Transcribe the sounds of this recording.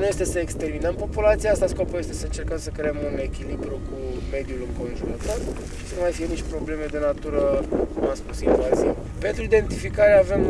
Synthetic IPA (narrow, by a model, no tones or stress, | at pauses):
nuje̞st̪e̞səekst̪e̞rminəmpo̞pulat̪siaast̪asko̞puje̞st̪e̞səɨnt͡ʃe̞rkəmsəkɾe̞eəmune̞kʲilibɾukume̞d̪julɨŋko̞nʒuɾət̪o̞r | ʃi̥sənumajfije̞nit͡ʃpɾo̞ble̞me̞d̪e̞nat̪uɾəkumaspusinvazḭḛ | pe̞nt̪ɾuid̪e̞nt̪ifikaɾeave̞m